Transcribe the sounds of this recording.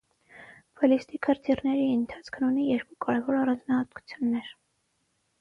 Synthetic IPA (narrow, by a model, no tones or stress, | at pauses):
b̥ɔlist̪ikʰəɾt̪ʰirnɛɾiənt̪ʰɑ̥t͡sʰkʰnunijɛɾkukɑɾɛvɔɾɑrɑnd͡znɑhɑt̪ku̥t͡sʰjunːɛɾ